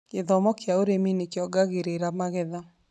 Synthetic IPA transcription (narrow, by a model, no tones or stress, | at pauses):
eðɔmɔkjaoɾeminekjɔɡaɣeɾeɾamaɣɛða